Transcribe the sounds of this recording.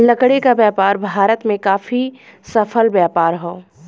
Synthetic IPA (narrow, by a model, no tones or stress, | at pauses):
lɐkɽekabjaːpaːɾbʱaːɾət̪mẽkaːfi | sɐfʰəlbjaːpaːɾɦoː